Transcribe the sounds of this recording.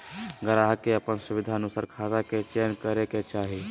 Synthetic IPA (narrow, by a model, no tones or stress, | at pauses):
ɡəɾaɦkeəpənsubid̪ʱaənusaːɾkʰazaket͡ʃenkəɾeket͡ʃaɦi